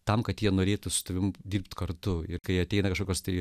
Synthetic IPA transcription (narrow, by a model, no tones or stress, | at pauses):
t̪ɐmkɐt̪jiɛnoːɾʲeːt̪ʊsʊ̥st̪ɐʋʲɪmʊdʲiːrpʲt̪kɐɾt̪ʊɪɾkɐɪɐtʲɛɪnɐkɐʃkoːkʲoːst̪ɐɪ